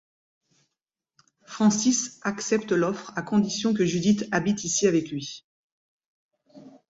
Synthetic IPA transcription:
fχɑ̃sisaksɛp̚t̪əlɔfχakɔ̃d̪isjɔ̃k̬əʒyd̪it̪abit̪isiavɛklɥi

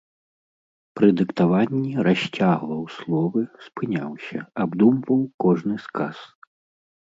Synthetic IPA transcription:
pɾɨd̪ɨkt̪avanʲːiɾaɕʲt͡sʲaɣlˠɐwslˠɔvɨspɨnʲa̰wsʲɐ̰abd̪umvɐwkɔʐnɨskas

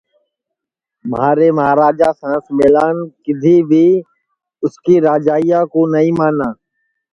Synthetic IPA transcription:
məɦaːɾeːməɦaːɾaːd͡ʒaːsãːsmeːlaːnkɪd̪ʱiːbʱiː | ʊskiːɾaːd͡ʒaːijaːkoːnəĩːmaːnãː

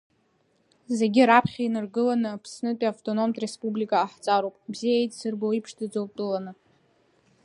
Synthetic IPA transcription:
ze̞ɡʲɪɾapʰχʲainɨrɡɨlanɨapʰsnɨtʼiaftʼo̞no̞mtʼre̞spʼublikʼaːħt͡sʼaɾowpʼbzijaejtʼsɨrboipʰʂdɨd͡zow̚tʼɨlanɨ

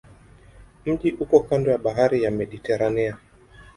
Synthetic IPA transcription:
m̩ʄiʔukɔkandɔjaɓaɦaɾijamɛɗitɛɾania

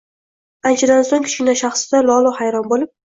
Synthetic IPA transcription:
ant͡ʃʰad̪ansoŋkʲʰʊ̥ʃɪnaʃaχsɪd̪alˠɒlˠʊhajɾɒnbolɪp̚

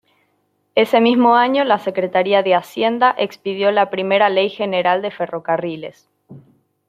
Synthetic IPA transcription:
e̞se̞mizmo̞aɲo̞lase̞kɾet̪aɾiaðeasje̞nd̪aʔe̞kspiðjo̞lapɾime̞ɾale̞jxe̞ne̞ɾald̪efe̞ro̞karile̞̰s

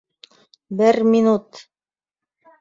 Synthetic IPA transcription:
bɘɾmʲinut̪

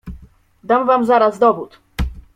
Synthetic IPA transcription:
d̪amvamzaɾazd̪ɔbut̪

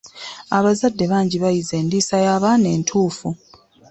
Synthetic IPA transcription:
aβazadːe̞βaːɲɟiβajize̞ːndiːsajaːβaːne̞ːntʰuːfu

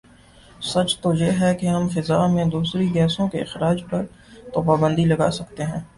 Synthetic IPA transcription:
sɐt͡ʃt̪ojeːɦɛkeɦɐmfɪzaːmẽd̪uːsɾiɡɛːsõkeɪxɾaːd͡ʒpɐɾt̪oːpaːbə̃nd̪ilɐɡaːsɐkt̪eɦɛ̃ː

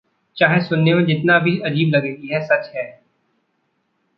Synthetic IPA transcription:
t͡ʃaːɦesʊnːemẽd͡ʒɪt̪nabʱiɐd͡ʒiːblɐɡeːjɛɦsɐt͡ʃɦɛː

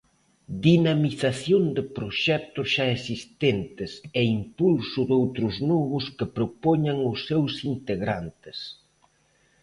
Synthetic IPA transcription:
d̪inamiθaθjond̪ɪpɾoʃɛk̚t̪ʊsʃaesist̪ent̪ɪsɛimpulsʊðowt̪ɾʊznoβʊskɪpɾopoɲaŋʊsːewsint̪eɣɾa̰nt̪ɪs

